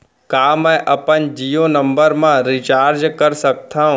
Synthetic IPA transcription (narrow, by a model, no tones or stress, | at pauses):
kaːmɛ̃ːʔɐpənd͡ʒijonə̃mbəɾmãɾit͡ʃaːɾd͡ʒkəɾsɐk̚t̪aːɦũ